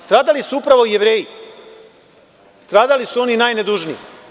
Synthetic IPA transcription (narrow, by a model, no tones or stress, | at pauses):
st̪ɾaːd̪alisuupɾaʋojeʋɾeːji | st̪ɾaːd̪alisuo̞ninaːjned̪uʒnii